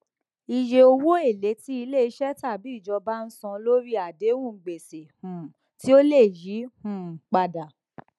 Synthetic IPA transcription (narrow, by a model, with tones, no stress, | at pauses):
i˨d͡ʒe˧o˧wo˦e˦˨le˨˦ti˦i˧le˦˨i˧ʃɛ˦ta˦˨bi˨˦i˦˨d͡ʒɔ˧ba˦n̩˦sɔ̃˧lo˦ɾi˦a˨de˨˦wũ˦˨ɡ͡be˨se˨hũ˨ | ti˦o˦le˦˨ji˨˦hũ˨k͡pa˨da˨